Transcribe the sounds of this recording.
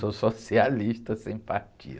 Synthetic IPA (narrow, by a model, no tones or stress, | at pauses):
sososialiʃt̪ɐsẽj̃paɾt͡ʃḭ